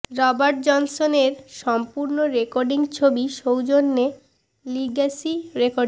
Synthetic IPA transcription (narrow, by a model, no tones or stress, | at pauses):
ɾɔbaɾʈ̚d͡ʑɔnsoneɾʃɔmpuɾnoɾekɔɾɖiŋt͡ɕʰobiʃowd͡ʑonːe | liɡasiɾekoɖ